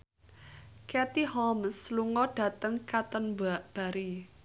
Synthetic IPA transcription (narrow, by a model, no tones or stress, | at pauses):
kɛt̪ihɔmsluŋɔɖ̥ä̤t̪əŋkat̪ənbaʔb̥a̤ɾi